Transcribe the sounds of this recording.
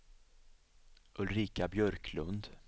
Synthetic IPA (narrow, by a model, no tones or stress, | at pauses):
ʔɵlɾiːkabjœɾkʰlɵnd̪